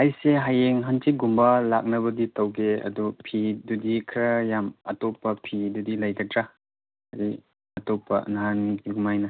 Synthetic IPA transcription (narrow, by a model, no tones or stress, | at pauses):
ajseɦajeŋɦantʰiɡumbɐlak̚nɐbɐditɐwɡeɐ̰dupʰidudikʰɾɐjamɐ̰tɔpːɐpʰidudilɐjɡatɾa | ɐɾi | ɐtɔpːɐ̰naɦankiɡumajnɐ